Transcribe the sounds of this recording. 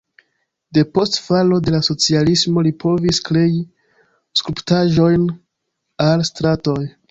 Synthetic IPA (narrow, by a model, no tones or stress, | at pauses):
de̞po̞stfalo̞de̞laso̞t͡sialismo̞lipʰo̞viskɾe̞i | skɾuptaʒo̞jn | alstɾato̞j